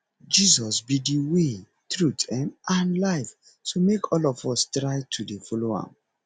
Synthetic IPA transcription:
d͡ʒizɔsbidiwe | tɹutʰãmãnlaɪf | tomekʰɔlɔfɔstɹaɪtʰudefɔloã̰m

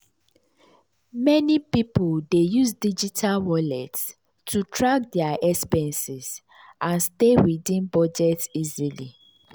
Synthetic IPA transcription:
mɛnipipoldejusdid͡ʒitʰalwɔlɛts | tʰutʰɹaɡ̚dɛaʔɛspɛ̃nsiz | ʔãnstewidĩnbɔd͡ʒɛtsizili

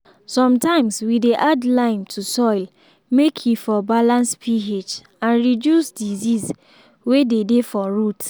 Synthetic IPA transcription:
sɔ̃mtãɪ̃mswideʔadlãɪ̃ntʰusɔɪl | mekʰjifɔbalãnspʰiɦed͡ʒ | ãnɹidjusdiziz | wededefɔɹut

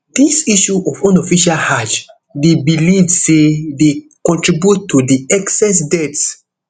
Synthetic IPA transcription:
d̥isiʃuʔɔvɔ̃nɔfiʃalhad͡ʒ | debilivsedekɔ̃ntɹibjutʰːudiɛksɛsdɛts

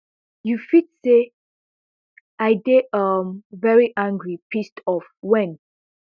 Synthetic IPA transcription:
jufidse | aɪɡeʌmvɛɹiʔãŋɡɹipʰistɔfwɛ̃n

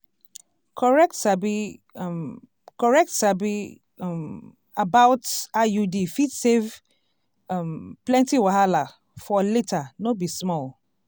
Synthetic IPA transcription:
kʰɔɹɛk̚tsabi | kɔɹɛk̚tsabi | abaʊtajudifidsev | mplɛ̃ntiwahala | fɔletʰanobismɔl

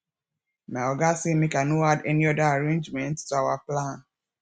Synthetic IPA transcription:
maɔɡasimĩkãnoadɛniɔdaaɾẽnd͡ʒmɛ̃nttuawaplãn

